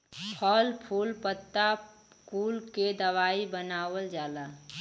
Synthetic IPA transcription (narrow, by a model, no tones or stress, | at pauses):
pʰɔlpʰuːlpət̪ːa | kuːlked̪əʋaːibənaːʋəld͡ʒaːla